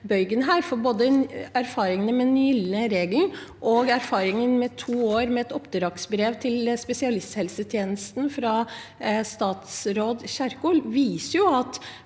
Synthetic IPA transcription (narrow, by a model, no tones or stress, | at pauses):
bœʏɡənɦæːɾfɔɾboːd̪əæɾfɑːɾɪŋənəmɛnɪlnəɾeːɡlʔɔɡæɾfɑːɾɪŋənmɛt̪ʰuːoːɾmɛɛt̪ɔpd̪əɾɑksbɾeːʋt̪ʰɪlspɛsɪɑlɪst̪hɛlsət̪ʰjeːnəst̪n̩fɾɑ | st̪ɑːt̪sɾoːd̪çæɾkuːlʋiːsəɾjʊɑt̪